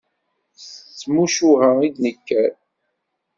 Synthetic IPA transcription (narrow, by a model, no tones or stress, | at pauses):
t͡sːmuʃuhæid̪nəkːæɾ